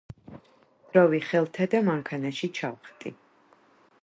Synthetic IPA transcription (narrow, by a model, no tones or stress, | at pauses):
d̪̥ɾɔviχɛlˠt̪ʰad̪amaŋkʰanaʃit͡ʃʰawχt̪ʼi